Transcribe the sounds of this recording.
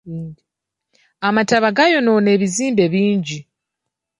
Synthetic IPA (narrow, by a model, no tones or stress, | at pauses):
amataβaɡajo̞none̞ːβiziːmbe̞βiːɲɟi